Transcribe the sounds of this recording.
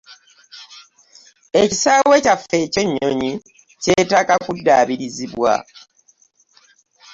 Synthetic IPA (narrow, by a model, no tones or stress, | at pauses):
ecisaːwe̞cafe̞ːce̞ɲːo̞̰ɲi | ce̞ːtaːkakudːaːβiɾiziβwa̰